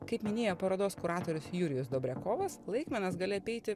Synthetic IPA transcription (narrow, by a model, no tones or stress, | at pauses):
kɐɪpmʲɪnʲeːjopɐɾoːd̪oːskʊɾɑːt̪oːɾʲʊsjuːɾʲɪjʊsd̪oːbʲɾʲɛkoːʋɐslˠɐɪkmʲɛnɐsɡɐːlʲɪɐpʲɛɪt̪ʲɪ